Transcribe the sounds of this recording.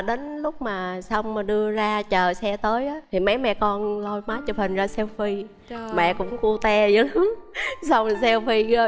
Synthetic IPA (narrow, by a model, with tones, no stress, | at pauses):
ɗe˨˦nlʊ˦˥k͡p̚maː˨˩sa˧wŋ͡mmaː˨˩ɗɨ˧əzaː˧t͡ɕəː˨˩sɛ˧t̪əː˨˦jʔəː˨˦t̪ʰi˨˩mə˨˦jmɛ̰˧˨kɔ˧nlo˧jmaː˨˦jt͡ɕɔ˧˩fï˨˩ŋ̟zaː˧sɛ˧wfi˧ | mɛ̰˧˨kʊ̰˧˥ŋ͡mku˧t̪ɛ˧zə˨˦lsa˧wŋ͡msɛ˧wfi˧˨˦